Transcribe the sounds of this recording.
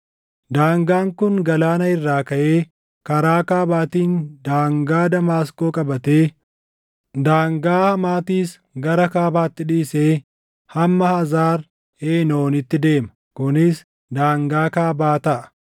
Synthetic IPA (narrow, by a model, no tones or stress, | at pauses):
d̪aːŋɡaːŋkʊŋɡɐlaːnɐɪrːaːkɐʔe̞ː | kɐɾaːkaːbaːt̪iːnd̪aːŋɡaːd̪ɐmaːskoːkʼɐbɐt̪e̞ː | d̪aːŋɡaːhɐmaːt̪iːs | ɡɐɾɐkaːbaːt̪ːɪᶑiːseː | hɐmːɐhɐzaːɾ | eːnoːnɪt̪ːɪd̪e̞ːmɐ | kʊnɪs | d̪aːŋɡaːkaːbaːt̪ɐʔɐ̥